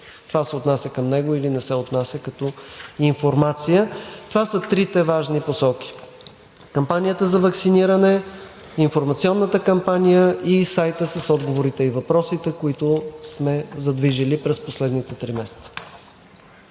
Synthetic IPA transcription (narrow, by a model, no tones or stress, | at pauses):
t̪ovasɛot̪nasʲəkəmnɛɡoilinɛsɛot̪nasʲəkɐt̪ɔiɱfoɾmat̪sijət̪ovasət̪ɾit̪ɛvaʒniposɔki̥ | kɐmpanijət̪əzɐvɐksiniɾənɛ | infoɾmɐt̪siɔnːət̪əkɐmpanijəisajt̪əsəsɔd̪ɡovoɾit̪ɛivɐpɾɔsit̪ɛkoit̪ʊsmɛzɐd̪viʒilipɾɛsposlɛd̪nit̪ɛt̪ɾimɛsɛ̥t̪sə̥